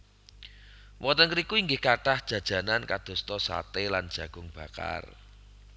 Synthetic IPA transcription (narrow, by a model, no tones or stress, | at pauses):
wɔt̪əŋkəɾikuiŋɡɪhkaʈahd̥ʒ̥ä̤d̥ʒ̥ä̤nankad̪̥o̤st̪ɔsa̰t̪eland̥ʒ̥ä̤ɡ̥ʊ̤ŋb̥ä̤ka̰r